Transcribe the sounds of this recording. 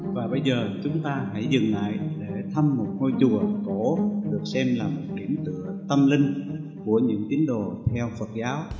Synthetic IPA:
vaː˨˩ɓə˧jzəː˨˩t͡ɕʊ˨˦ŋ͡mt̪aː˧ɦa̰˧˥jzɨ˨˩ŋla̰ː˧˨jɗe˧˩t̪ʰə˧mːo˨˩t̚ŋo˧jt͡ɕu˨˩əko˧˩˥ɗɨ˨˩ək̚sɛ˧mlaː˨˩m˨˩t̚kḭ˧˩ənt̪ɨ̰˧˨ət̪ə˧mlï˧ŋ̟ | ku˧˩əɲɨ̰˧˥ŋt̪i˨˦əŋɗo̰˨˩t̪ʰɛ˧wfə˨˩t̚zaː˨˦w

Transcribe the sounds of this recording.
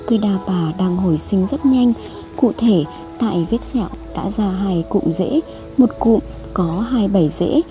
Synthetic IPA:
kə˧jɗaː˧paː˨˩ɗaː˧ŋɦo˧˩jsï˨˧˦ŋ̟zə˦˥t̚ɲa˧jŋ̟ | kṵ˧˨t̪ʰe˧˩ | t̪a̰ː˧˨jvi˦˥ət̚sɛ˧˩˨wɗa̰ː˧˥zaː˧ɦaː˧jkʊ̰˧˨ŋ͡mzḛ˧˥ | mo˨˩t̚kṵ˧˨m | kɔ˨˦ɦaː˧jɓə˧˩jzḛ˧˥

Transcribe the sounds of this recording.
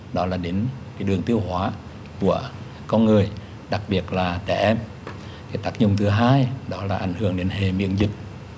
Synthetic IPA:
ɗɔ˨˦laː˨˩ɗe˨˦nke˨˦jɗɨ˨˩əŋt̪i˧əwɦhwaː˨˦ | ku˧˩ə | kɔ˧nŋɨ˨˩əj | ɗa˨˩k̚ɓi˨˩ət̚laː˨˩t͡ɕɛ˧˩ʔɛ˧m | kaː˨˦jt̪aː˦˥k̚ɲʊ˧˨ŋ͡mt̪ʰɨ˨˦ɦaː˧jɗɔ˨˦laː˨˩ʔa˧˩jŋ̟hɨ˧˩əŋɗe˨˦nɦe˨˩mḭ˧˨ənzï˨˩k̚

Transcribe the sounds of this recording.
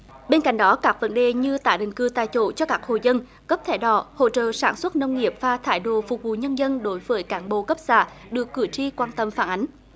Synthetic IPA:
ɓe˧nka̰˧˨jŋ̟ɗɔ˨˦kaː˦˥k̚və˨˦nɗe˨˩ɲɨ˧t̪aː˧˩ɗï˨ŋ̟kɨ˧t̪aː˨jt͡ɕo̰˧˩t͡ɕɔ˧kaː˦˥k̚ho̰˧˨jzə˧n | kə˦˥p̚t̪ʰɛ˧˩ɗɔ̰˧˩ho̰˧˨t͡ɕə̰ː˧˨saː˧˩nswə˦˥t̚nə˧wŋ͡mŋi˨˩əp̚vaː˨˩t̪ʰaː˧˩jɗo̰˧˨fʊ˨˩k͡p̚vṵ˧˨ɲə˧nzə˧nɗo˨˦jvəː˨˦jkaː˨˦nɓo˧˨kə˦˥p̚saː˧˩ | ɗɨ˨˩əkːɨ˧˩t͡ɕi˧kwaː˧nt̪ə˧mfaː˧˩nʔa˨˦jŋ̟

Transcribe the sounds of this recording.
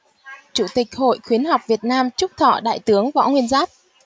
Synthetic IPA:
t͡ɕu˧˩t̪ï˨˩k̚ho̰˧˨jxwi˨˦ənɦa˨˩wp̚vi˨˩ət̚naː˧mt͡ɕʊ˦˥k͡p̚t̪ʰɔ̰˧˩ɗa̰ː˧˨jt̪ɨ˨˦əŋvɔ̰˧˥ŋwi˧ənzaː˦˥p̚

